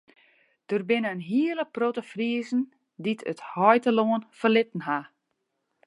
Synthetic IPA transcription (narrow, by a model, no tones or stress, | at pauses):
d̥ərbɪnəːnɦiələprotəfriəzən̩ | ditʰəthɔjtəloənfərlɪtən̩ɦa